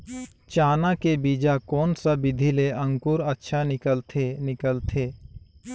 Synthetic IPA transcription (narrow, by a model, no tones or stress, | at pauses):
t͡ʃaːnakebiːd͡ʒakɔːnsabɪd̪ʱileə̃ŋkʊɾətːʃʰanɪkəlt̪ʰenɪkəlt̪ʰeː